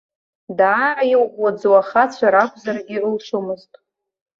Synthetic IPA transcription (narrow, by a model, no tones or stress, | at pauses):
daːɾaiwwad͡zwaχat͡ɕʷʰaɾakʷʰzariʕəlʂumɨztʼ